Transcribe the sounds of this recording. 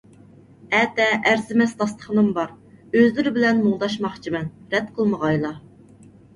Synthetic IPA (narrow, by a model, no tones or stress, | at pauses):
ɛt̪ɛʔæɾzɪmɛst̪ʰɑst̪ə̥χənɨmbɑɾ | øzlɪɾɪbɪlɛnmuŋd̪ɑʃmɑχt͡ʃʰimɛnɾɛt̪qʰəlˠməʁɑjlˠɑ